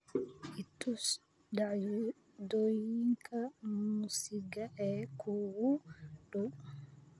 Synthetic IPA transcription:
ʔitːus | daj | dɔjiŋkʰamusiɡaʔɛkʰuwudɔ

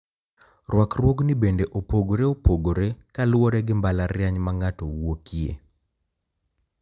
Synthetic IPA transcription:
rwakrwoɡnɪbendeʔopoɡoɾeopoɡoɾekalwɔɾɛɡɪmbalarjaɲmaŋatowokiḛ

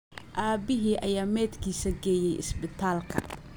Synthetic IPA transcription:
ʔaːbɪɦiːʔɐ̰jaːmɛːd̪kʰiːsɐɡɛːjɛjʔɪ̰sbɪt̪ʰaːlkʰɐ̰

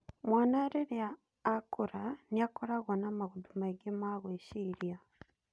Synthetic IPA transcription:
mwaːnaɾeɾeaː | kuɾaniakoɾaɣonamaɣudumaɡemaɣweʃiɾja

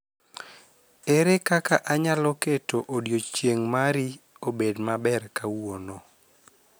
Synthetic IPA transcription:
eɾekakaʔaɲalɔketoʔodjot͡ʃjeŋmaɾiobedmabɛrkawonɔ

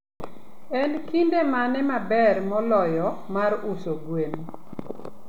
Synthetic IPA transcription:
ɛnkindemanɛmabɛrmɔlɔjɔ | maɾʊsoɡwem

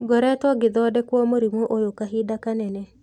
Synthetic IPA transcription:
ɡɔɾɛtwɔɡɪd̪ɔdɛkwɔmoɾimoʔojokaɦidakanɛnɛ

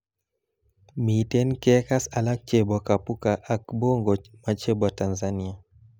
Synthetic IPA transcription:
mitɛnkɛkasalak̚t͡ʃɛbakapukaʔakbɔŋɡɔmat͡ʃɛbwatanzania

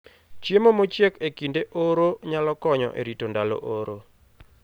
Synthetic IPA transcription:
t͡ʃjemomot͡ʃjekekindeʔoɾoɲalɔkɔɲɔ̰ʔḛɾitondalo̰ʔoɾo

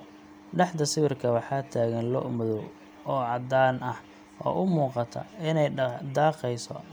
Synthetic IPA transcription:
ɖɑħd̪ɐsɪβɪrkʰɐwɑħɑːt̪ʰaːɣɐnlɔ̰ʔmɔðɔw | ɔːʕɑd̪aːnɐh | ʔɔ̰ːʔʊmuːqɑt̪ʰɐ̰ɪnɛjd̪aːqɛjsɔ̰

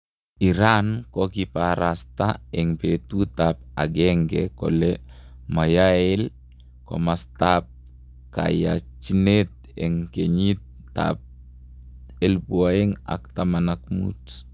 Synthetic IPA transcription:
iɾankɔkipaɾast̪aɛŋpet̪ut̪ap̚a̰ɡɛŋɡɛkɔ̰lɛmajaɛl | kɔ̰mast̪ap̚ | ka̰ja̰t͡ʃinet̪̚ | ɛŋkeɲit̪ː | a̰p̚ | ɛlpuaɛŋa̰kt̪amanak̚mṵt

